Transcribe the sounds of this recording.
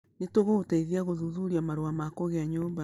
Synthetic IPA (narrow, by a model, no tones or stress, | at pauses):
netoɣoɣotaiðiaɣoðuðuɾiamaɾoamakɔɣeaɲoːmba